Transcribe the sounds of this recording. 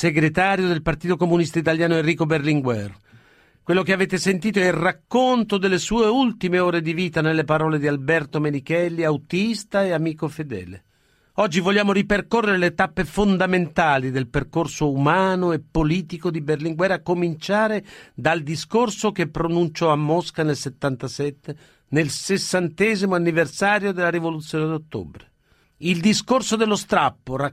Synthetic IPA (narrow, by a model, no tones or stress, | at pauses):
seɡɾet̪aːɾjod̪elpart̪iːt̪okomunist̪ait̪aljaːnoenrːiːkoberliŋɡwɛr | kwelːokeaveːt̪esent̪iːt̪oɛlrakːont̪od̪elːesuːeult̪imeoːɾed̪iviːt̪anelːepaɾɔːled̪ialbɛrt̪omenikɛlːiawt̪ist̪aeamiːkofed̪ɛ̰ːlḛ | ɔd͡ʒːivolːjaːmoɾiperkorːeɾelet̪apːefond̪ament̪aːlid̪elperkorsoumaːnoepːoliːt̪ikod̪iberliŋɡwɛɾːakːomint͡ʃaːɾed̪ald̪iskorsokepːɾonunt͡ʃɔamːɔskanelset̪ːant̪asɛt̪ːe | nelsesːant̪ɛːzimoanːiversaːɾjod̪elːaɾivolut̪sːjoːned̪ot̪ːo̰bɾe | ild̪iskorsod̪elːost̪ɾapːora